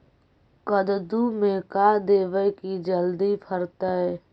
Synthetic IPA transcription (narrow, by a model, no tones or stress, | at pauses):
kəd̪d̪umẽkad̪eːʋəjkid͡ʒəld̪ipʰəɾt̪əɛ